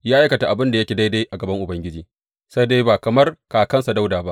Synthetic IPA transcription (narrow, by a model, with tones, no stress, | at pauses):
jaː˦ʔa˦jkɐ˨ta˨ʔa˨bɪ˦nda˨jɐ˦kʲe˨da˦jda˦ʔa˨ɡɐ˨bɐ˦ŋʔʊ˨bɐ˦ŋɡʲɪ˦d͡ʒiː˨ | sa˦jde˦baː˨kɐ˨mɐ˦rkaː˨kɐ˦nsa˨da˦wdaː˨ba˦